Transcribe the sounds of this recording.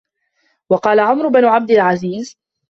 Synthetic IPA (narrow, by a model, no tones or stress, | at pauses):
wɑqɑːlaʕʊmɾʊbanʊʕab̚d̪ɪlʕaziːz